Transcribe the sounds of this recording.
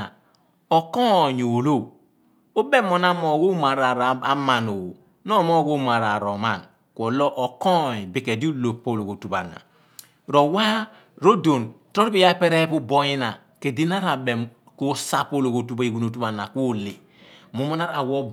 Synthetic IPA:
a˨ | ɔ˨kɔ˦˨ɲo˨lo˦˨ | o˦bɛ˦mo˨na˦mɔ˨ɡo˦ma˨ɾa˨ɾa˨ma˨no˨o˨ | nɔ˦mɔ˦ko˦ma˨ɾa˨ɾɔ˨ma˦˨n | kʷɔ˨lɔ˦ʔɔ˨kɔ˦˨ɲ˨bi˨kɛ˨di˦u˦lo˨po˦˨lo˨ko˨tu˨pa̰˨na̰˨ | ɾo˨wa˦ | ɾo˦do˨ntɾɔ˦ɾpi˦ja˦pɛ˦ɾɛ˦pu˦bɔ˦ji˦na˨ | ke˨di˦na˦ɾa˨bɛ˨m | ko˦sa˦po˦lo˨ko˨tu˦ba˦i˨ɡu˨no˨tu˦pa˨na˨ko˦˨le˨ | mu˨mɔ˦na˦ɾa˨wo˦

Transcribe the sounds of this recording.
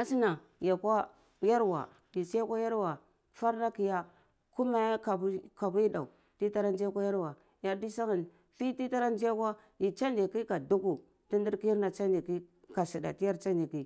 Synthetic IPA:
a˦si˦na˨ | ja˨kʷa˦ | ja˦ɾwa̰˨ | di˨si˦ja˦kʷa˦ja˦ɾwa˨ | fa˦ɾna˦ki˨ja˦ | ku˦ma˦ja˦ka˨˦ka˨bi˦da̰˨u˨ | ti˦ta˦ɾa˦n˦d͡ʒi˦a˦kʷa˦ja˦ɾwa˨ | ja˦di˦sa˦ŋa˨n | fi˦ti˦ta˦ɾa˦n˦d͡ʒi˦a˦kʷa˦ | ji˨t͡ʃa˦ndi˨ki˦ka˨du˦ku˨ | ti˦ndi˦ɾki˦ɾna˨t͡ʃa˦ndi˨ki˦ | ka˨si˨da̰˨ti˦ja˦ɾt͡ʃa˦ni˨ki˦

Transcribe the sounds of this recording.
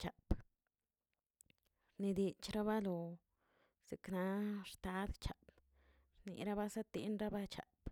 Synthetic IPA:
t͡ʃa˨p | ɾni˧d̪i˧t͡ʃɾa˦βa˦lo˨ | z̥i˨kna˨˦ʂt̪a˧˦d̪t͡ʃa˨b | ɾnḭ˨ɾa˦ba˦sa˦t̪i˧˦nɾa˦ba˦t͡ʃa̰˨p

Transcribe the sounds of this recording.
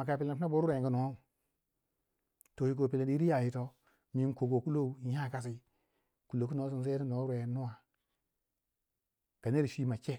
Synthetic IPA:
ma˨ka˨pi˨le˨n˨fna˦bo˦ɾɾe˨ŋɡu˨no˨˦o˦u˨ | to˨ji˨k̬o˨pi˨le˨ni˦ɾi˦ja˨ji˨to˦ | mi˦n˦ko˨ko˨ku˦lo˦u˨˦ja˦˨ka˨s̬i˦ | ku˨lo˨ku˦no˨˦s̬i˨ns̬e˦ni˦no˨˦ɾe˨nːu˦wa˨ | ɡ̥a˨ne˦ɾi˨ʃi˦ma˨t͡ʃe˦

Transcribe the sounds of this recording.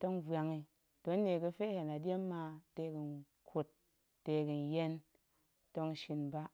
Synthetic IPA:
to˦ŋvwa˧ŋi˧ | to˨˦ne˨kɨ˧fe˦he˨na˨dje˦mːa˧te˧˦kɨ˧n | kʰo˨t̚ː | e˧kɨ˧n˨je˦n | to˦ŋ˦ʃi˧nba˦

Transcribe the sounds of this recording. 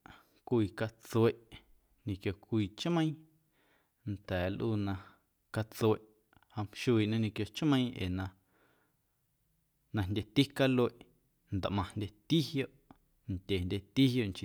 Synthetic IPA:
kʷiː˧˨ka˧t͡se˧˨ʔ | nĩ˧kjo˧˨kʷiː˧˨t͡ʃmə̃˦ĩ˦ | nt̪ɛː˨˦lʔuː˧nã˧ | ka˧t͡swe˧˨ʔ | ha˧m̥ʃu˧iː˧˨ʔnã˧ɲĩ˧kjo˧t͡ʃmə̃˧ĩ˧ʔḛː˨nã˧ | nã˧ndʲe˧t̪i˦ka˦lo˧e˨ʔ | nd̪a˨ʔmã˧ndʲe˧t̪i˦hjo˦˨ʔ | nt̪ʲe˨ndʲe˧t̪i˦ɦjo˧ʔŋt͡ʃi˧

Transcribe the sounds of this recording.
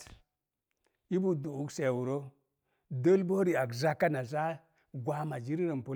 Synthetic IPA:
i˦bu˨du˨u˦kse˨wu˨ɾo˦ | də˦lbo˦ɾi˨a˨kza˦kːa˦na˨za˦ | ɡwa˦ma˨d͡ʒi˦ɾi˦ɾə˨mpu˦

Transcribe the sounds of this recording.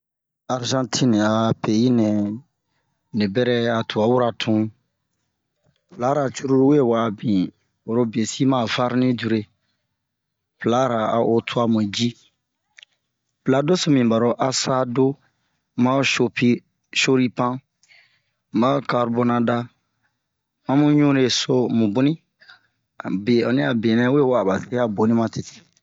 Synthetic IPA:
a˨ɾʒã˦tʰĩ˦n˨a˨pe˨ji˦nɛ̃˨ | nẽ˨bɛ˦ɾɛ˦a˨tʰu˨a˨˦wu˦ɾa˨tʰũ˦ | pla˦ɾa˨t͡ʃu˦ɾu˦ɾu˦we˦˨wa˨bĩ˨ | o˨ɾo˦bi˨e˨si˦mã˦˨va˦ɾnĩ˦d͡ʒu˨ɾe˦ | pla˨˦ɾa˨a̰˨o˦tʰu˦a˦mũ˨d͡ʒi˦ | pla˨˦do˦so˦mĩ˨ba˨ɾo˨ʔa˦sa˦do˦ | mã˦ʃo˨pi˦ | ʃo˦ɾi˦pã˦ | mã˦o˦ka˨ɾbo˦nã˨da˦ | mã˦mũ˦ɲũ˦ɾe˨so˦mũ˨bu˦nĩ˦˨ | be˨ɔ˨nĩ˦a˨be˨nɛ̃˦we˦˨wa˨ba˨se˦a˦bo˨nĩ˦mã˦te˨ti̥˨

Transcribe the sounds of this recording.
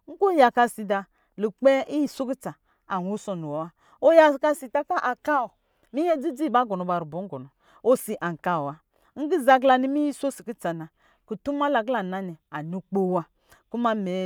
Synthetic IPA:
ŋ̩˦ko˦ja˨ka˧si˨da˨ | lu˨k͡pe˦ʔi˦ji˨so˦ki˦t͡sa˨ | a˨nu˦so˨nu˨wo˨wa˦ | o˦ja˦˨ka˦si˨ta˦ka˦ʔa˨ka˦o˨ | mi˦je˦d͡zi˦d͡zi˦˨ba˦ɡo˨no˨ba˨ɾu˨bo˨˦ŋ̩˦ɡɔ˨nɔ˨ | o˦si˨ʔa˨ŋ̩˨ka˨o˨a˦ | ŋ̩˦ɡi˦za˨ɡla˨ni˦mi˦ji˦so˦si˨ki˦t͡sa˨na˨ | ku˨tu˦m˦a˦la˨ɡla˨na˨ni˨a˨nu˦k͡po˦wa˦ | ku˦ma˦me˨˦

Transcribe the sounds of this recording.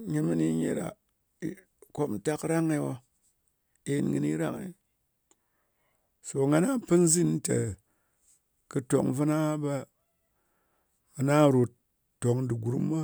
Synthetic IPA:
ɲi˦nmi˦ni˦ɲḛ˨ɾa̰˨ | ko˦p̩˦ta˦kɾa˦ŋe˧˦wa˦ | e˨nŋɨ̰˨˦nḭ˦ɾa̰˦ŋḛ˨ | so˨ŋa˦na˦pɨ˦n̩˦zi˦n˦ta˨ | kɨ˧to̰˨kvɨ˦na˦ba˦ | a˨na˦˨ɾo˨tː | o˨ŋdi˨ɡu˨ɾṵ˨˦m˦ba˦

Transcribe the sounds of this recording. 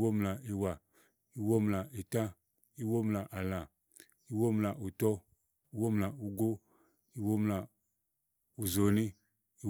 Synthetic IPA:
wo˦mla˨i˨wa˨ | i˨wo˦mla˨i˨tã˦ | i˦wo˦mla˨ʔa˨lã˨ | i˨wo˦m˨la˨ʔu˨tɔ˦ | i˦wo˦m˨la˨u˨ɡo˦ | i˦wo˦mla˨ | u˨zo˨ni˦ | i˦

